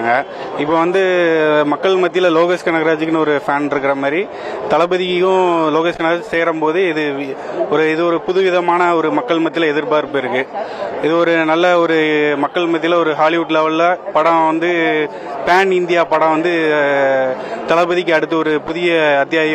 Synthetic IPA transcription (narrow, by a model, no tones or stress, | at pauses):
ŋɡɐ | ɪpːoːʋɐnd̪ɯmɐkːɐɭmɐt̪ːɪlɐloːɣɐskɐnɐɣɐɾaːd͡ʒɪkːɪnɯɔɾɯfaːnɪɾɯk̬ːɪɾɐmaːd̪ɾi | t̪ɐɭɐbɯðɪkjʊ̃loːɣɐskɐnɐɣɾaːt͡ʃseːɾɐmpoːðɯɪðɯɔɾɯɪðɯɔɾɯpʊðɯʋɪðɐmaːnɐɔɾɯmɐkːɐɭmɐt̪ːɪlɐɛðɪɾpaːɪɾɯpːɯɪɾɯkːɯɪðɯɔɾɯnɐlːɐɔɾɯmɐkːɐɭmɐt̪̬ːɪlɐɔɾɯɦaːlɪʋʊʈːɪlɐʋɐɭlapɐɽãːʋɐnd̪ɯ | paːnɪnd̪ɪjaːpɐɽãːʋɐnd̪ɯ | t̪ɐɭɐpɯðɪk̬ʲːɐɽɯt̪̬ːɯɔɾɯpʊðɪjɐɐt̪ːjaːjɐ